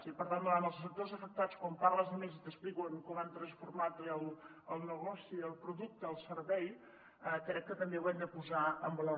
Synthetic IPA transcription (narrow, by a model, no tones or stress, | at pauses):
ipəɾt̪and̪anəlˠszs̬ək̚t̪ozəfək̚t̪at͡skwɔmparləzəmezit̪əsplikwəŋkɔmant̪ɾənsfuɾmat̪əlˠ | əlˠnəɣɔsiəlˠpɾuðuk̚t̪əːlˠsəɾβɛj | əkɾɛkːət̪əmbewɛnd̪əpuzaəmbəlo